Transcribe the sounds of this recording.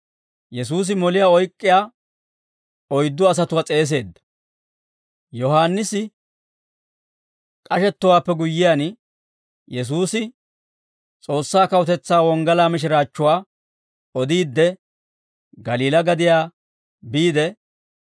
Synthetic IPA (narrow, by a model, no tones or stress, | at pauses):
jɛs̬uːs̬ɪmɔlɪjaːɔjkʼːɪjaː | ɔjd̪ːʊɐs̬ɐt̪ʊwat͡sʼe̞ːs̬e̞ːd̪ːɐ̥ | jɔɦaːnːɪsɪ | kʼɐʃɛt̪ːɔwaːpːɛɡʊjːɪjaːn | jɛs̬uːsɪ | t͡sʼo̞ːsːaːkɐwʊt̪ɛt͡sːaːwɔŋɡɐlaːmɪʃ̬ɪɾaːt͡ʃːʊwaː | ɔd̪iːd̪ːɛ | ɡɐliːlɐɡɐd̪ɪjaː | biːd̪ɛ